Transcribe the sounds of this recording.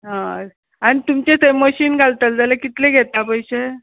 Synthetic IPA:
ɦã | anit̪umt͡ɕet̪eməɕiːnɡʱalt̪əld͡zalakit̪leɡʱet̪apəjɕe

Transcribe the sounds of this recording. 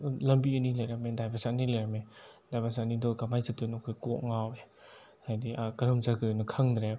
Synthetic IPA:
lɐmbiɐnilajɾamedajbasanilajɾame | dajbasanidɔkamajsatɯnɔkʰɔjkɔʔŋawe | hajdiakaɾɯmzaɡɯnɯkʰɐŋdɾe

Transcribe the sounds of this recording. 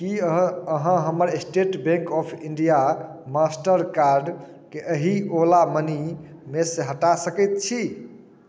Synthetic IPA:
kiəəɦə̃ɦəməɾesʈeʈbẽŋkɔpʰiɳɖijamasʈəɾkaɾɖ | keʔəɦiolamənimeseɦəʈasəkɛt̪̚t͡ʃʰi

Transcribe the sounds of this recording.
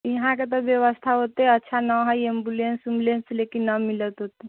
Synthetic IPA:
iɦãk̬ət̪əʋjəʋəst̪ʰaɦot̪eətːɕʰanəʋɦaiembulensumlenslekinəmilət̪ɦot̪e

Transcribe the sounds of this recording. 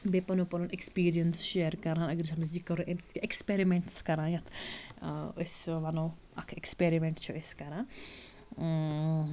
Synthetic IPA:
bepɐnopɐɾunekspiːɾijɐnsʃeːɾkɐɾãːnɐɡɾsʰɐnusd͡ʒikɐɾuʔemskeekspeɾimeɳʈskɐɾãːjɐt̪ʰ | osʋɐnoː | ɐkʰekspeɾimẽɳʈt͡ʃʰuʔeskɐɾãː

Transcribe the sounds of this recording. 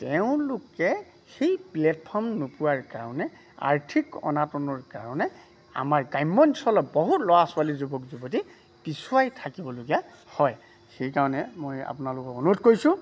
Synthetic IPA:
tɛʊ̃lʊkɛ | xejplɛt̚pʰɔɹmnopuwaɹkaɹɔnɛ | a̰ɹtʰikɔ̰natɔnɔɹkaɹɔnɛ | a̰maɹɡajmːɔnsɔlɔbɔɦutlɔwasʊwalizubɔkzubɔt̬i | pisuajtʰakibɔloɡia | hɔj | xejkaɹɔnɛmoja̰pʊnalʊkɔkonutkojsʊ̃

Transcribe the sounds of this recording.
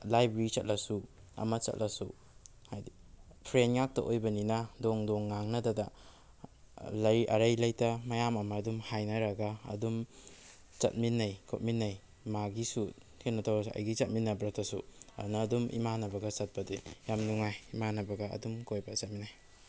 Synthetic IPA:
lajbeɾit͡ʃɐt̚lɐsu | ɐ̰mɐt͡ʃɐ̰t̚lʔɐsu | hajdipʰɾenŋak̚tɐ̰ʔojbɐninɐdoŋdoŋːaŋnɐdɐda | lɐjʔɐ̰ɾɐjlɐjtɐmɐjamɐmɐːdumhajnɐɾɐɡaɐ̰dum | t͡ʃɐ̰t̚minːɐjkʰot̚minːɐj | maɡisu | kʰenɐtʰawauɐ̰jɡit͡ʃɐt̚minːɐbɾatʰɐsuɐ̰nɐːdumḭmanɐbɐɡɐsɐt̚pɐdejamnuŋajimanɐbɐɡɐɐ̰dumkojbasɐt̚minːaj

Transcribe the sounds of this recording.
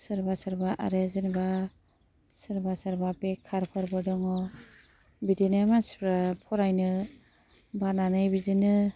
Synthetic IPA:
sɯɾbasaɾbaʔa̰ɾezɯnba | sɯɾbasaɾbapekʰːaɾpʰɔɾbɯdɔŋɔ | bidinɯmanspɾapʰɔɾajnɯ | bananɯjbidinɯ

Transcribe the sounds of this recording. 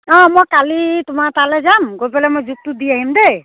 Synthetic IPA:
ɔ̃mojkalitʊmatalɛzamɡojpɛlɛmojzuk̚tʊd̪iaɦimd̪ɛ

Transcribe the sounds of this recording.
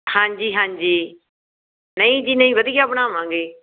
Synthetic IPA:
hãːɲd͡ʒiːɦãːɲd͡ʒiː | nəĩːd͡ʒiːnəĩːʋəd̪ijaːbnãːmãːŋɡeː

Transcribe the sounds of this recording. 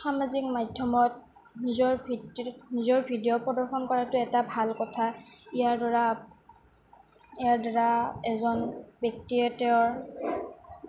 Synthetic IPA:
xamazik̚madʱjɔmɔt̚ | nizɔɹbnizɔɹbʱidiɔpɹɔdɔɹxɔnkɔɹatʊɛtabʱalkɔtʰaijaɹdɔɹa | iaɹdɔɹaɛzɔnbɔk̚tiɛtɛɔɹ

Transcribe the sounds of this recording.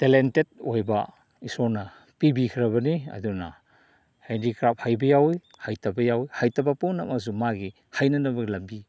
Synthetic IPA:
telentet̚ojbɐ | isɔɾnɐ | pibikʰiɾɐβɐniɐ̰dunɐ̰ | hendikɾap̚hajbɐjawj | hajtɐbɐjawjhajtɐbɐpuŋnamas̬umaɡi | hajnɐnɐbɐɡilɐmbi

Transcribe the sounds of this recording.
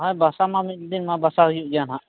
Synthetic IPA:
ɦajbasamamit̪̚d̪inmabasaɦujuʔd͡ʒanɦaʔ

